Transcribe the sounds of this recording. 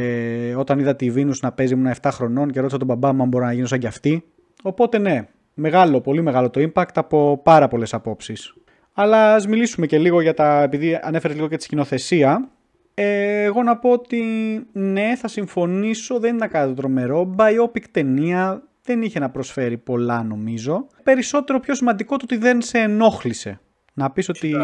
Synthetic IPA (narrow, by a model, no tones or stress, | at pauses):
o̞t̪ɐniðɐt̪ivinuznɐpe̞zimunɐeft̪ɐxɾo̞no̞nce̞ɾot̪isɐt̪obɐbɐmuɐmbo̞ɾinɐʝinos̬ɐɲɟɐft̪i | o̞po̞t̪e̞ne̞ | me̞ɣɐlo̞po̞lime̞ɣɐlo̞t̪o̞impɐkt̪ɐpo̞pɐɾɐpo̞le̞sɐpo̞psis | ɐlɐːzmilisumece̞liɣo̞ʝɐt̪ɐepiðiɐ̰ne̞feɾeliɣo̞cet̪i̥scino̞θe̞siɐ | eːɣo̞nɐpo̞ot̪ine̞θɐsiɱfo̞niso̞ðeninenɐkɐnit̪ot̪ɾo̞me̞ɾo̞bɐio̞pikt̪e̞niɐ | ðe̞niçe̞nɐpɾo̞sfe̞ɾipo̞lɐno̞mizo̞pe̞ɾiso̞t̪e̞ɾo̞pço̞simɐnd̪ikot̪oot̪iðe̞nseːno̞xlise̞̰ | nɐpiso̞t̪i